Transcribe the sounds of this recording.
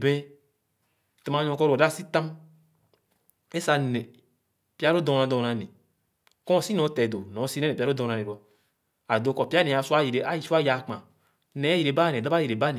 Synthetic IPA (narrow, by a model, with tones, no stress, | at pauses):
bẽ˦ | tm˨a˨˦ɲɔ̃˨kɔ˦ɾda˦˨si˦t̪ã˦m | e˦sa˦˨ne˨ | pi˦a˦ɾo˦dɔ˨ã˨dɔ̃˨na˨ne˨ | kɔ̃˦˨si˦nɔ̃˨˦tɛ˨do˨nɔ̃˨˦si˦e˦ne˨pa˦o˦dɔ̃˨ã˨ne˨ɾa˨˦ | a˨do˦˨kɔ˨pi˦a˦nẽ˨a˨su˦a˦ji˨e˨a˦i˨˦su˦a˦ja˨k͡pã˨ | nɛ˨˦i˨ɾe˨ba˦˨ne˨da˦ba˦ji˨ɾe˨ba˦ne˨